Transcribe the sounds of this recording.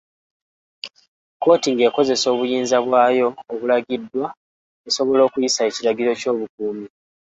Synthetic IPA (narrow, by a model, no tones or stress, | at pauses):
ko̞ːtiŋɡe̞ːko̞ze̞so̞ːβujiːnzaβwaːjo̞ːβulaɡidːwa | eso̞βo̞lo̞ːkujisae̞ciɾaɡiɾo̞co̞ːβuk̚uːmi